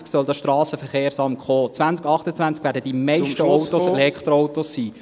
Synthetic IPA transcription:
ksœldɑʃtɾɑːsəfəɾχeːɾsɑmχoːt͡sʋænt͡skɑχt̪ət͡sʋænt͡skʋæːɾdəd̥imɛjʃəɔwt̪oselɛkχt̪ɾoɔwt̪osːiː

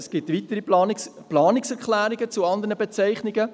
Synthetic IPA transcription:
sɡ̥ɪtʋit̪əɾiplɑːnɪksɛɾklæːɾɪɡət͡suɑnd̪əɾnəbet͡sɛɪχnɪɡə

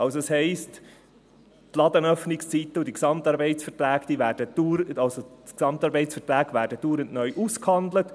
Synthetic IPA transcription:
ɑlsoɛshɛɪst | tlɑd̪ənœfnɪkst͡siːtːəʊdiksɑmt̪ɑːɾbɛɪtt͡sfəɾtlæːɡd̥iːvæːɾd̥əd̥uɾɑlsoksɑmtɑːɾbɛɪtt͡sfətlæːɡvæːɾdəd̥uːɾəntnœʏʔuskhɑnd̪lət

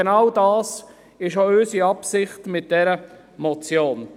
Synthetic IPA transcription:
enɑwdɑːs | ɪʃoøsiɑpsɪχtmɪt̚d̥ɛɾə | mɔt͡sjoːn

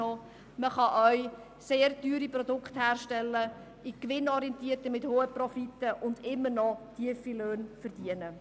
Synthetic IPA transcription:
ɔ | məχɑʔœɥ | seːɾtyːɾipɾɔdʊkχthæːrʃtɛlːə | ikʋɪnɔɾiɛntiəɾtəmɪthoːəprɔfitəʔʊndɪmːəɾnɔtʰiəfiløːnfəɾd̥iənə

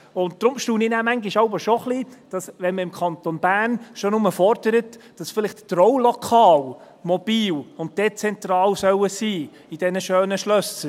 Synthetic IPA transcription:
ʊnt̚d̪̥ɾʊmʃtuːninæːmæŋɡiʃɑʊbəʃoχlid̥ɑsʋɛnməɪmkʰɑnt̪onb̥æːnʃonʊməfɔrd̥əɾətd̥ɑsfɪlɪχttrɔwlɔkʰɑːl | mɔb̥iːlʊnt̚d̥ɛt͡sɛnt̪ɾɑːlsœwəsiː | id̥ɛnəʃøːnəʃlœsə

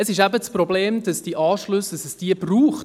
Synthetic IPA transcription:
əsɪʃæbət͡spɾobleːmd̥ɑsd̥iʔɑːʃlʊsd̥ɑsɛsd̥iəbruːχt

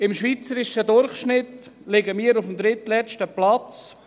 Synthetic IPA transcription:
ɪmʃviːt͡səɾɪʃəd̪ʊɾχʃnɪtlɪɡəmiːəɾʊfm̩d̪ɾɪt̪lɛt͡ʃtəplat͡s

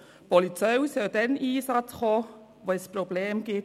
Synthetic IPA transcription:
b̥ɔlitʰəwsɛdɛniːsatʰχɔ | vɔjspʰɾɔbleːmɡɪ

